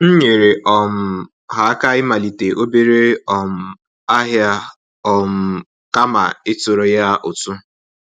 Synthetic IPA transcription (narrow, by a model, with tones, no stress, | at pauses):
n̩˦ɲe˨ɾe˨ʔɔ˨m̩˨ | ɦa˨˦ka˦ɪ˦ma˨li˨te˨ʔo˦be˦ɾe˦ɔ˨m̩˨ | a˦ɦja˦ | ɔ˨m̩˦˨ | ka˦ma̰˨ɪ˦tʊ˨ɾo˦ja˦ʔʊ˨tu˦